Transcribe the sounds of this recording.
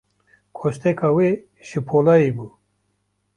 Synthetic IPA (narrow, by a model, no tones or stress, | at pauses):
kʰoɕt̪ekʰawe | ʃipʰolaibu